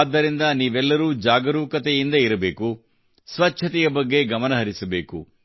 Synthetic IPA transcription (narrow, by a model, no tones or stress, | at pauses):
d̪ːɐɾind̪ɐniːʋɛlːɐɾuːd͡ʒaːɡɐɾuːkɐt̪ɛjind̪ɐiɾɐbeːku | sʋɐt͡ʃt͡ʃʰɐt̪ɛjɐbɐɡːe̞ɡɐmɐnɐɦɐɾisɐbḛːkṵ